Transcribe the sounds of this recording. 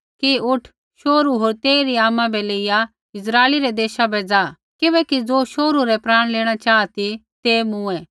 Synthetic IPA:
kiʊʈʰ | ʃoːɾuɦoːɾt̪eːiɾiaːmãbɛleːɪja | ɪsɾaːɪliɾɛd̪eːʃabɛd͡zaː | kɪbɛːkid͡zoːʃoːɾuɾɛpɾaːɽ̃leːɽ̃at͡ʃaːat̪it̪emũɛː

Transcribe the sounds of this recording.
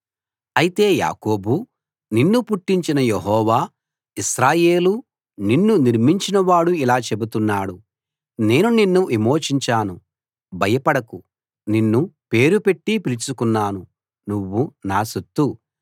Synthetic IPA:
ɐjit̪e̞ːja̰ːko̞ːbu | ninːupuʈːiɲt͡ʃinɐjeɦɔːʋaː | iʃɾaːje̞ːlu | ninːuniɾmiɲt͡ʃinɐʋaːɽuilaːt͡ʃe̞but̪unːaːɽu | ne̞ːnuninːuʔimo̞ːt͡ʃiɲt͡ʃaːnu | bʱɐjɐpɐɽɐku | ninːupe̞ːɾupe̞ʈːipilit͡ʃukunːaːnu | nuʋːunaːsut̪ːu

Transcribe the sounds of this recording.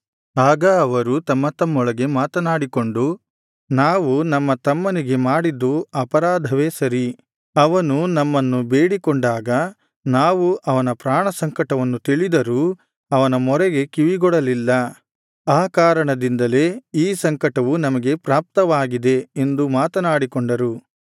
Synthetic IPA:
aːɡɐːʋɐɾut̪ɐmːɐt̪ɐmːɔɭɐɡe̞maːt̪ɐnaːɽiko̞ɳɖu | naːʋunɐmːɐt̪ɐmːɐniɡe̞maːɽid̪ːuɐpɐɾaːd̪ʱɐʋe̞sɐɾi | ɐʋɐnunɐmːɐnːube̞ːɽikoɳɖaːɡɐ | naːʋuʔɐʋɐnɐpɾaːɳɐsɐŋkɐʈɐʋɐnːut̪iɭid̪ɐɾu | ɐʋɐnɐmɔɾɛɡe̞kiʋiɡɔɽɐlilːɐ | aːkaːɾɐɳɐd̪ind̪ɐle̞ːiːsɐŋkɐʈɐʋunɐmɐɡe̞pɾaːp̚t̪ɐʋaːɡid̪e̞ːnd̪umaːt̪ɐnaːɽikoɳɖɐɾu

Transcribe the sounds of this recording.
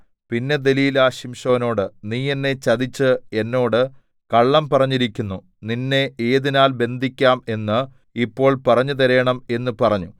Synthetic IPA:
pinːe̞d̪e̞liːlaːɕimʂɐːɐno̞ːɽɨniːenːe̞t͡ɕɐðit͡ɕːɨe̞nːo̞ːɽɨ | kɐɭːɐmpɐrɐɲːiɾikʲːunːu | ninːe̞eːðinaːlbe̞nd̪ʱikʲːaːme̞nːɨ | ipːo̞ːɭpɐrɐɲːut̪̬ɐɾejɐɳɐme̞nːɨpɐrɐɲːu

